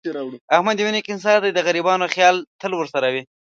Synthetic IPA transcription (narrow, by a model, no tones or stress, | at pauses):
ɽahmad̪winikɪns̬ɑd̪ajd̪əɣaɾibɑnoxjɑlt̪əlwəɾsaɾawi